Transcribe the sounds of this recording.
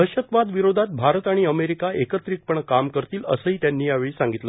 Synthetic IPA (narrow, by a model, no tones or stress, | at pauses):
ɦəɕət̪ʋad̪ʋiɾod̪ʱat̪̚bʱaɾət̪aɽ̃iəmeɾikaekət̪ɾik̚pəɳkamkəɾt̪iːlə̰səɦiːt̪janːiːjaʋeɭiːsaŋɡit̪lə